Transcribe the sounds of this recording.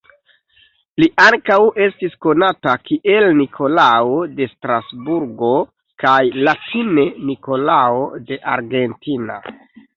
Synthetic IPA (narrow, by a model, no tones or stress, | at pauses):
liʔaŋkawe̞stisko̞natakiʔe̞lnikʰo̞laode̞stɾasbuɾɡo̞ | kajlatʰine̞niko̞laode̞ʔaɾɡe̞ntina̰